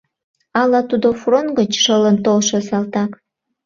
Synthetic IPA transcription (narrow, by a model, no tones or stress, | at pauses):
ɑlɑt̪ud̪ofronɡət͡ɕʃələnt̪olʃosɑlt̪ɑk